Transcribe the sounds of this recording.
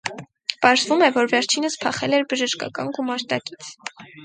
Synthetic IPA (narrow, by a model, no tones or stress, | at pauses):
pɑɾzvumɛvɔɾvɛɾt͡ʃʰinəspʰɑχɛlɛɾbəʒəʃkɑ̰kɑnɡumɑɾt̪ɑki̥t͡sʰ